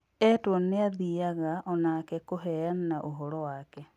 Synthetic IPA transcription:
ɛtwoneaðiaɣaʔɔnaːkɛkoɦɛjannaʔoɦɔɾɔwaːkɛ

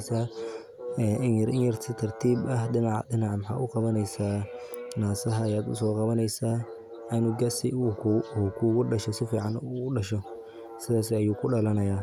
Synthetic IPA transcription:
saː | ɛʔɪnjɐɾʔɪnjɐrt̪ʰɐt̪ʰɐrt̪ʰiːbɐhd̪ɪnɑʕdɪnɑʕmħa̰ːʔʊqɑβɐnɛjsaːnaːsɐɦɐːjaːd̪ʊ̰sɔːqɑβɐnɛjsaː | ɐnʊɡɐsɪuːkʰuːɣʊɖɐʃɔsɪfiːʕɑnːʊɗɐʃɔ | sɪðaːsɪɐjuːkʰʊɖɐlɐnɐjaː

